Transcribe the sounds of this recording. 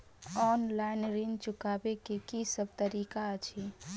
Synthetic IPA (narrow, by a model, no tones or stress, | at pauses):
ɔːnlaɪnɾint͡ʃʊkaːbekekisəb̚t̪əɾiːkat͡ʃʰi